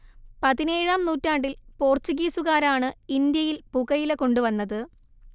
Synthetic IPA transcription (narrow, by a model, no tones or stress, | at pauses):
pɐðine̞ːɻaːmnuːtːaːɳɖilpo̞ːrt͡ɕuɣiːsuɣaːɾaːɳɨind̪jɐjilpuɣɐjileko̞ɳɖuʋɐnːɐðɨ